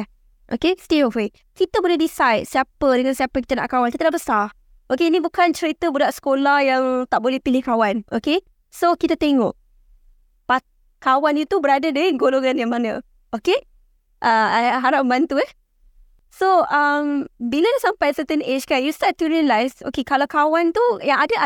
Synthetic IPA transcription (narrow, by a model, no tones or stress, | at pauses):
ʔo̰kestiofe | kit̪əbolɛhdisajd̚siapədəŋansiapəkit̪əna̰ʔkawankit̪ədaʔbəsa | ʔokenibukant͡ʃəɾit̪əbudaʔsə̥kolahjaŋt̪aʔbolɛhpilɪhkawanʔoke | sokit̪ət̪eŋɔ̰ʔ̚ | pa | kawanjut̪ubəɾadədəanɡoloŋãnjaŋmanə̰̃ | ʔoke | ʔaaɦaɾapmãnt̪uɛh | soəmbilənasampajsət̪ənet͡ʃkanjust̪at̪juɹiənlajso̰kekalakawant̪ujaŋada